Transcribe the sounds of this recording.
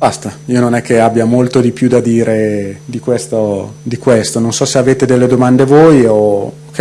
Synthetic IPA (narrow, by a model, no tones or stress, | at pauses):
bast̪aiononɛk̟ːeabːjamolt̪od̪ipjud̪ad̪iːɾed̪ikwest̪od̪ikwest̪ononsɔseaveːt̪ed̪elːed̪omand̪evoːjo | kːe